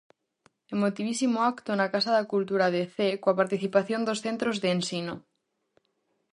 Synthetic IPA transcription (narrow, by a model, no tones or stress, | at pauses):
emot̪iβ̞isimoakt̪onakasaðakult̪uɾað̞eθekwapaɾt̪iθipaθjond̪osθent̪ɾozðeensino